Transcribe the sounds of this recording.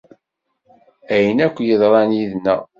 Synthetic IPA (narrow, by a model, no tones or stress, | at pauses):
æjənækʷːjəðˤɾˤɑnjiðnæ